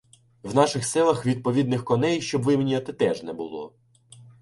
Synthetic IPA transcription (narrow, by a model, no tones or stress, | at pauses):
wnɑʃɪxsɪlˠɐxʋʲid̪̚pɔʋʲid̪nɪxkɔnɛjʃt͡ʃɔbʋɪmenʲiɔt̪ɪt̪ɛʒnɛbʊ̰lˠɔ̰